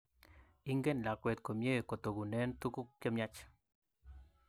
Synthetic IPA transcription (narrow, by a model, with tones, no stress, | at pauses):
i˦ŋɡe˦˨nla˨kʷe˨˧t̪̚ko˨mje˦˨ko˨t̪o˨ɡu˨ne˦nt̪u˦ku˦k̚ja˦mɲa˧t͡ʃ